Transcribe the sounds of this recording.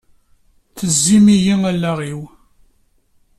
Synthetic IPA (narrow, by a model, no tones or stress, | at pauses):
θəzːimijiŋælːæʁiw